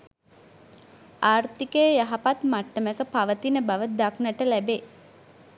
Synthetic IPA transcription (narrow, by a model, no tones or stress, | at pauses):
aːrt̪ikejjaɦapat̪maʈːəməkəpaʋət̪inəbaʋəd̪aknəʈəlæbe